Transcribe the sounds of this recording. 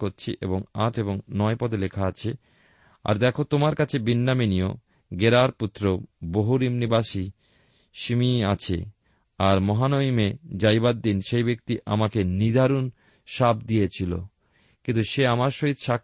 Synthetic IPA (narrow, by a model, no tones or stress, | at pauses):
oɾt͡ɕʰiʔḛboŋaʈʰeboŋnɔepɔd̪elekʰaat͡ɕʰe | a̰ɾd̪ɛkʰot̪omaɾkat͡ɕʰebinːaminijo | ɡeɾaɾput̪ːɾoboɦuɾimnibaʃi | ʃimiat͡ɕʰḛ | aɾmɔɦanoimed͡ʑajbad̪ːinʃejbek̚t̪iʔa̰makenid̪ʱaɾun | ʃab̚d̪ijet͡ɕʰilo̰ | kĩnt̪uʃeamaɾʃoɦit̪ʃa